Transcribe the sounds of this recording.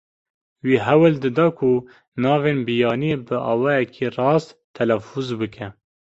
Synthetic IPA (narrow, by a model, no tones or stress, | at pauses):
wiːɦɛwɨld̪ɨd̪ɑːkʰu | nɑːveːnbijɑːniebɨʔɑ̰ːwɑːjɛkʰirɑːst̪t̪ʰːɛlɛfuzbɨkʰɛ